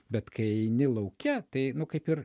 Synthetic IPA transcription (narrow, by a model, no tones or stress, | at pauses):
bʲɛt̪kɐɪɛɪnʲɪlˠɐʊkʲɛt̪ɐɪnʊkɐɪpɪr